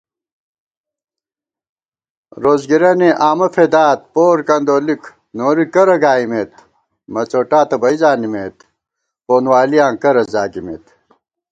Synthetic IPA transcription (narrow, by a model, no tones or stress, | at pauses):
ɾoːzɡiɾɐneʔaːmɐfʰed̪aːt̪̚poːɾkɐnd̪oːlik | noːɾikɐɾɐɡaːimet̪̚ | mɐt͡ɕoːʈaːt̪ɐbɐizaːnimeːt̪ | poːnwaːlijãːŋkɐɾɐzaːɡimḛːt̪